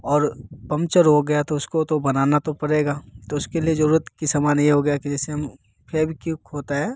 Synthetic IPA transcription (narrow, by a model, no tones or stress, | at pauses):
ɔːɾpɐ̃mt͡ʃəɾɦoɡɐjat̪oʊskot̪obɐnaːnat̪opɐɽeːɡaːt̪oʊskeliezɐɾuːɾət̪kisɐmaːnjeɦoɡɐjakid͡ʒɛːseɦɐm | pʰɛːbʱikjũkɦoːt̪aɦɛː